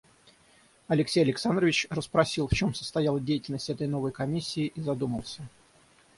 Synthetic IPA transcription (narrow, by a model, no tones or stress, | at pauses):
ɐlʲɪksʲejɐlʲɪksand̪ɾəvʲɪt͡ɕrəspɾɐsʲilˠft͡ɕo̞msə̥st̪ɐjalˠədʲejɪtʲɪlʲnəsʲtʲɛt̪əjno̞vəjkɐmʲisʲːɪːʔizɐd̪uməlˠsʲə